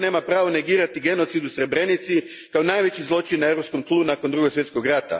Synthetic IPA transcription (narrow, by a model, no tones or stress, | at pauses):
ne̞ːmapɾaːʋone̞ɡiːɾat̪iɡe̞no̞t̪sid̪usɾe̞bɾe̞nit̪si | kaonaːjʋe̞t͡ɕizlˠo̞t͡ʃinːae̞vɾopsko̞mklˠubunakond̪ɾuɡosje̞t̪sko̞ɡɾat̪a̰